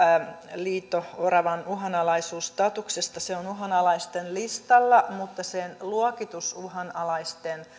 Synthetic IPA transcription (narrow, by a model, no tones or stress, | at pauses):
liːt̪ːoorɑʋɑnuɦɑnɑlɑisuːst̪ɑt̪uksest̪ɑseonuɦɑnɑlɑist̪enlist̪ɑlːɑmut̪ːɑsenluokit̪usuhɑnɑlɑist̪en